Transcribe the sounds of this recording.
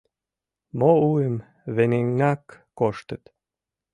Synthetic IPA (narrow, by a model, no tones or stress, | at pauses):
mouem | βeneŋːɑkː | oʃt̪ə̆t̪